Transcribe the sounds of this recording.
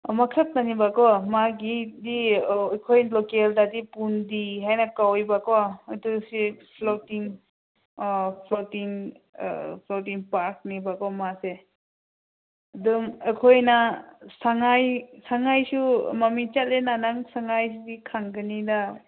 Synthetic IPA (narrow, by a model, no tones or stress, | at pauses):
makʰəp̚nanibakɔmaɡidikʰojlɔkeldadipundiɦajnakawjbakɔajtusipʰlotiŋ | pʰlotiŋ̰ | pʰlotiŋpaɾk̚nibakɔmase | dumekʰojnasaŋajsaŋajsumamit͡ʃat̚lenanaŋsaŋajsudikʰaŋɡɯnida